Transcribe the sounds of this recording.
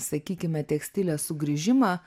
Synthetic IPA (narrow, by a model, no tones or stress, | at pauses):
sɐkʲiːkʲɪmʲɛt̪ʲɛksʲt̪ʲɪlʲɛːsʊɡɾʲiʒʲɪmɑː